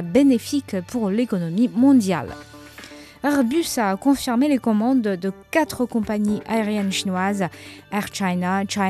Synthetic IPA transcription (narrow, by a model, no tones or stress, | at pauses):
benefikpʰuʁlekɔnɔmimɔ̃d̪ja̰l | ɛʁbysakɔ̃fiʁmelekɔmɑ̃d̪d̪əkat̪χəkɔ̃paɲiʔaeʁjɛnʃinwazɛʁt͡ʃajnat͡ʃa